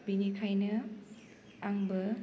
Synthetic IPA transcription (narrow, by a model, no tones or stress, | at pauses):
b̥inikʰajnɐ | aŋbɐ